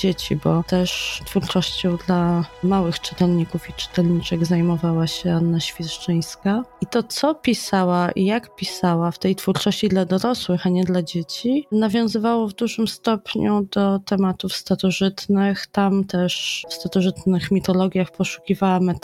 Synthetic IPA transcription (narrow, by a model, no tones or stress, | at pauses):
d͡ʑet͡ɕḭbɔt̪ɛʂt̪fuɾt͡ʂɔɕt͡ɕɔ̃w̃d̪lamawɘxt͡ʂɨ̥t̪ɛlɲikufit͡ʂɘ̥t̪ɛlɲit͡ʂɛɡzajmɔvawaɕɛanːaɕfʲjiʂt͡ʂɛj̃skait̪ɔt̪sɔpʲisawaʔḭjakpʲisawaft̪ɛjt̪fuɾt͡ʂɔɕt͡ɕid̪lad̪ɔɾɔswɘxaɲɛd̪lad͡ʑet͡ɕinavʲjɔ̃w̃zɘvawɔvd̪uʐɘmst̪ɔpɲud̪ɔt̪ɛmat̪ufst̪aɾɔʐɘt̪nɘxt̪amt̪ɛʂfst̪aɾɔʐɘt̪nɘxmʲit̪ɔlɔɡʲjaxpɔʂu̥kʲivawam